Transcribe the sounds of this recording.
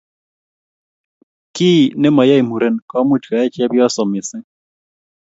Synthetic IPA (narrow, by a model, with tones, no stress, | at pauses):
ki˦˨nɛ˦ma˨ja˦i˨mu˨ɾɛ˦nka˦mu˦ta˨ɛ˦t͡ʃi˦a˦bja˦sɔ˨mi˨sɛ˦